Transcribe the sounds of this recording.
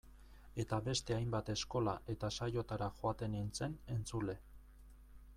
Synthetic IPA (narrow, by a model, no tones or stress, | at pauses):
e̞t̪aβe̞st̪e̞ajmbat̪e̞sko̞laʔe̞t̪asajo̞t̪aɾaxoat̪e̞nint͡se̞ne̞nt͡sule̞